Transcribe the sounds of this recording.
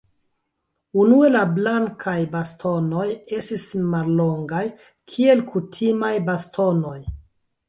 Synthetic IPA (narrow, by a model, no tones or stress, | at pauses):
unue̞lablaŋkʰajbastʰo̞no̞je̞stismallo̞ŋɡaj | kʰie̞lkʰutʰimajbastʰo̞no̞j